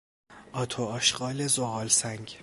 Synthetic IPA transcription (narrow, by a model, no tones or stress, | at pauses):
ʔɒːt̪ʰoɒːʃɢɒːlezoɣɒːlsæŋɡ